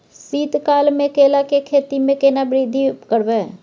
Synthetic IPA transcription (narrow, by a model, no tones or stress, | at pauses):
siːt̪kaːlmẽkeːlakekʰeːt̪imẽkeːnabɾid̪ʱikəɾʋɛː